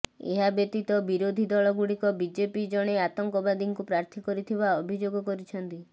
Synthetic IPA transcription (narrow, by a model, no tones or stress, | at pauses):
ḛɦabet̪it̪ɔbiɾod̪ʱid̪ɔɭɔɡuɽikɔbid͡ʒepid͡ʒɔɽ̃eat̪ɔŋkɔbad̪iŋkupɾaɾt̪ʰikɔɾit̪ʰibaɔbʱid͡ʒoɡɔkɔɾit͡ʃʰɔnt̪i